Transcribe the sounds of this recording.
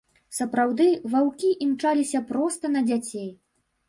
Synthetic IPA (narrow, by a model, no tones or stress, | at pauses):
sɐpɾawd̪ɨvawkʲiʔimt͡ʂalʲisʲɐpɾɔst̪ɐnɐd͡zʲat͡sʲej